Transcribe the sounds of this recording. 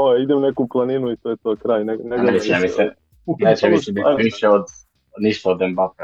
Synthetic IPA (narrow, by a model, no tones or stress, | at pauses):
oeid̪emnekuplˠaninuit̪ojet̪oːkɾaːjneneɡɾet͡ʃamise | net͡ʃmiɛiʃeod̪ | niʃt̪aod̪embak